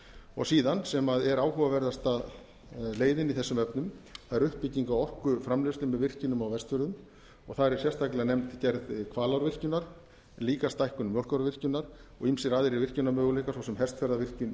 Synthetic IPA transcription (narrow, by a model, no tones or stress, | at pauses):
ɔ̰ɣsiːðansɛmaðɛɾaːwɦuvavɛɾðast̪að | leːjðɪniθɛsːʏmœpnʏmθaðɛɾʏhppɪciŋkawɔhkʏfɾamlewst̪ʏmːɛðvɪr̥cʏnʏmawvɛst̪fʏɾðʏm | ɔɣθaðɾɛɾ̥sjɛst̪ʰajklɪɣanɛmnt̪cɛɾðkʰvaːlawɾvɪr̥cʏnaɾ̥ | liːkast̪ajhkʏnmjowl̥kawɾvɪr̥cʏnːaɾɔɣimsɪɾaːðɪɾivɪr̥cʏnamœːɣʏlejkasawsɛmɦɛ̥st̪fɛɾðavɪr̥cʏn